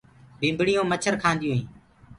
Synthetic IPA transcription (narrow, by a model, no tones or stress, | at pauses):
bĩːmbɽijõːmət͡ʃʰəɾkʰãːnd̪ijũːɦĩː